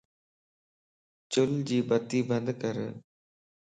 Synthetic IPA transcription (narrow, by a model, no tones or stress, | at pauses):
t͡ɕʊld͡ʑiːbət̪iːbə̃nd̪kəɾ